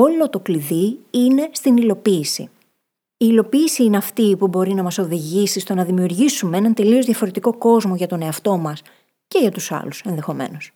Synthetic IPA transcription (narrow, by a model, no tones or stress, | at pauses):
o̞lo̞t̪o̞kliðiine̞st̪inilo̞piːsḭ | iːlo̞piːsiineɐft̪ipubo̞ɾinɐmɐso̞ðiʝisist̪o̞nɐðimiuɾʝisume̞e̞nɐnt̪e̞lio̞zðʝɐfo̞ɾe̞t̪iko̞ko̞zmo̞ʝɐt̪o̞ne̞ɐft̪o̞mɐs | ce̞ʝɐt̪usɐ̰luse̞nðe̞xo̞me̞̰no̞s